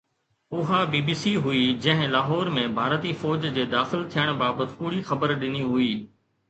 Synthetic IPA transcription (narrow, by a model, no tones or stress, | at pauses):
ʊɦabiːbiːsiɦʊid͡ʑɐ̃ɦɪ̃laːɦɔːɾmẽbʱaːɾt̪ifɔːd͡ʑd͡ʑeːd̪aːxɪlt̪ʰijəɽ̃baːbət̪pʊːɽixɐbəɾɗɪniɦuiː